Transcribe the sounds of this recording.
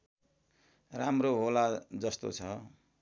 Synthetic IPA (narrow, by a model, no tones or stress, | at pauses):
ramroɦolad͡zʌst̪o̰t͡sʰʌ